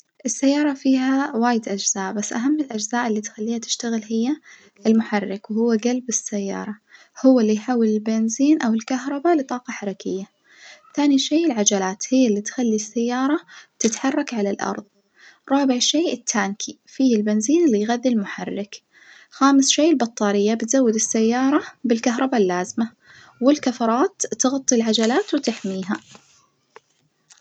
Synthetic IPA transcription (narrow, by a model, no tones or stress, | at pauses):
ʔɪsːajːɑːɾˤɑfiːhawaːjɪd̪ʔad͡ʒz̥aːʔbasːʔaɦamːɪlʔad͡ʒzaːʔɪlːiːt̪xalːiːhat̪ɪ̥ʃt̪aɣɪlhɪjːa | ɪlmʊħɑrˤːɪkwhʊwːaɡalbɪsːajːɑ̰ːɾˤɑ | hʊwːalːijħaːwːɪlɪlbɪnziːnʔawɪlkaɦɾˤɑbalɪt̪ˤɑːqɑħaɾˤɑkɪjːa | θaːniʃeːɪlʕad͡ʒalaːt̪hɪjːalːiːt̪xalːisːajːɑːɾˤɑ̥t̪ɪt̪ħɑrˤːɑkʕalalʔɑ̰ɾˤðˤ | ɾˤɑːbɪʕʃeːʔɪt̪ʰːaːnkʰi | fiːɪlbɪnziːnɪlːijɣaðːɪlmʊħarːɪk | xaːmɪsʃeːɪlbɑt̪ˤːɑːɾɪjːabɪt̪zawːɪd̪ɪsːajːɑːɾˤɑbɪlkaɦɾˤɑbalːaːzɪma | wɪlkafɑɾˤɑːt̪ːɪɣɑt̪ˤːilʕad͡ʒalaːt̪wɪt̪ɪħmiːɦa